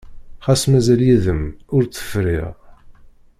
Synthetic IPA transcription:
χæsmæzæljiðəmʊɾt͡sːə̥fɾḭʁ

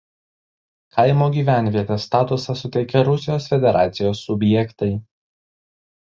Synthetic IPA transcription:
kʰɐɪmoːɡʲiːʋʲæˑnʲʋʲiɛt̪ʲɛst̪ɑːt̪ʊsɐsʊt̪ʲɛɪkʲɛɾʊsʲɪjoːsfʲɛd̪ʲɛɾʔɑːt̪sʲɪjoːsːʊbʲjɛkt̪ɐɪ

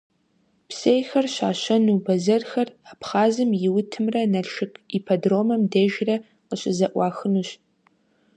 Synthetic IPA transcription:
psejxɐrɕaːɕɐnubɐzɐrxɐrapχaːzɨmjɪwʊtʰɨmrɐnɐɮʃɨkʼipʰɐdroːmɐmdɐʒrɐ | qəɕɪzɐʔʷɑːxɨnuːɕ

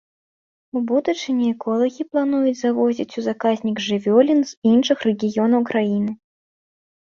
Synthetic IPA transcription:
ubud̪ut͡ʂɨnʲɛɛkɔlˠɐɣʲiplˠanujud͡zʲzavɔzʲit͡sʲuzakazʲnʲiɡʐɨvʲɔlʲinzinʂɨxrɛɡʲijɔnɐwkɾajinɨ

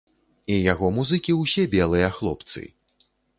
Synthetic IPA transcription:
ijaɣɔmuzɨkʲiwsʲɛbʲɛlˠɨjɐxlˠɔpt̪sɨ̰

